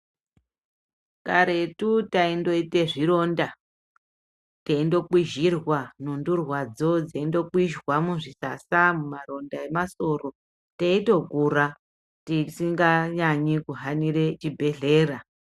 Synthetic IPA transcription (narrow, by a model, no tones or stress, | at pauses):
kaɾe̞tutaindo̞ite̞ʐiɾo̞nda | teindo̞kwiʒirwanundurwad͡zo̞d͡zeindo̞kwiʒwamuʐisasamumaro̞ndae̞maso̞ro̞ | teito̞kuɾa | tisiŋɡaɲaɲikuɦanire̞t͡ʃibʱe̞ɮe̞ːɾa